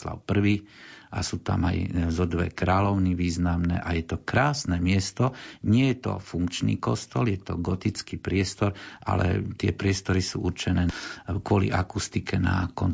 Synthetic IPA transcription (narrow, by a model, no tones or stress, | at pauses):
la̰ʊpr̩ʋiː | ʔa̰suːt̪a̰ma̰jzɔd̪ʋɛ̰kɾaːlɔʊniʋiːznamnɛ̰ʔajɛt̪ɔkɾaːsnɛmɪɛst̪ɔɲɪɛjɛt̪ɔ̰fuŋkt͡ʃnḭːkɔst̪ɔljɛt̪ɔ̰ɡɔt̪it͡skiːpɾɪɛst̪ɔɾʔa̰lɛ̰t̪ɪɛpɾɪɛst̪ɔɾisṵːʔuɾt͡ʃɛnɛːkʊɔlḭʔakust̪ikɛna̰kɔn